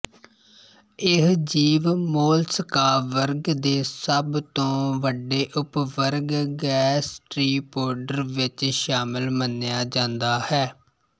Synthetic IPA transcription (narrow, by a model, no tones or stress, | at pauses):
ɪɦd͡ʒiːʋmoːlsəkaːʋəɾɡd̪eːsəbt̪õːʋəɖeːʔʊpʋəɾɡɡɛːsʈɾiːpoːɾɖəɾʋɪt͡ʃʃaːmɪlmənːejaːd͡ʒãːnd̪aːhɛː